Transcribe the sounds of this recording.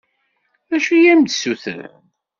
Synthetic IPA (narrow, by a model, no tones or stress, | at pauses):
æʃujæmd̪suθə̰ɾ̰